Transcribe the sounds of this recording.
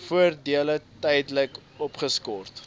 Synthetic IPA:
fuərdiələtɛjdləkɔpχəskɔrt

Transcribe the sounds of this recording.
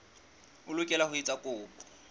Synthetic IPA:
ʊlʊkʼɛlahʊit͡sʼakʼʊːpʼɔ̥

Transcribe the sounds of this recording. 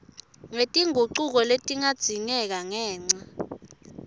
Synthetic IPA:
ŋetʼiŋʱuǀuk̬ɔletʼiŋad̥z̥ʱiŋɛk̬aŋɛːŋ͡ǀa

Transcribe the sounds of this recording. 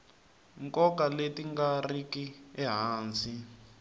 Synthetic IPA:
ŋkɔkaletiŋɡarikiɛɦaːnd͡zi

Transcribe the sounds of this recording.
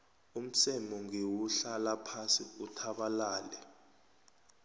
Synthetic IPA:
um̩sɛmɔŋewuɬalapʰasiutʰaɓalaːlɛ

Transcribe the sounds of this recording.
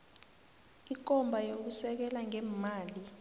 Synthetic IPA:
ik̬ɔmbʱajok̬usɛk̬ɛlaŋɛmaːli

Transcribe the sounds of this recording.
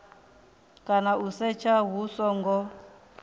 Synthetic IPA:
kʼanausɛt͡ʃʰaɦusɔŋɡɔ

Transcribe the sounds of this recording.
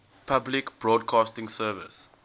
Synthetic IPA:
pʰablikb̥ɹɔːdkʰɑːstɪ̃ŋsɜːvɪ̰s

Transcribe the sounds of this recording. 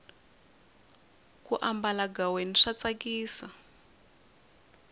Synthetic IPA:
kuʔambalaɡaweniʂat͡sakiːsa

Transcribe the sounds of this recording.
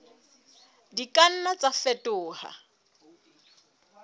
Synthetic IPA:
dikʼan̩nat͡sʼafɛtʼʊːha̰

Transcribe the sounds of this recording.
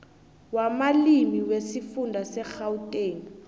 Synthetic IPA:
wamalimiwesifundʱasɛxautʼeːŋi

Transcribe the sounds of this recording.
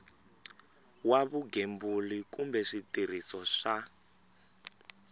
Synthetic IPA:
waβuɡembulikumbɛʂitir̤isɔʂa

